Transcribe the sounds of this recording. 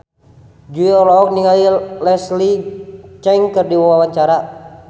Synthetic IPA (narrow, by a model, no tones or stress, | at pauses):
d͡ʒuiɔlɔɔk̚niŋailɛslit͡ʃɛŋkərdiwawawat͡ʃaɾa